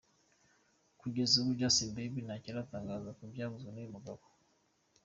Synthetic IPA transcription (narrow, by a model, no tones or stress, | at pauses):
kuɡezeβud͡ʒasimbebinaciɾataːŋɡazakubjaβuzaneimuɡako̥